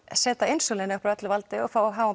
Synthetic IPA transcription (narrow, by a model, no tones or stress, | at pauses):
sɛːt̪aɪnsolɪnʏhpɾœt̪lvalt̪ɪɔfaːwawɦaːva